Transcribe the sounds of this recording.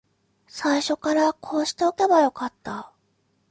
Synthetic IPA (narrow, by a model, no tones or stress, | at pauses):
saiɕo̞kaɾakʰo̞ːɕi̥t̪e̞o̞ke̞bajo̞kat̪ːa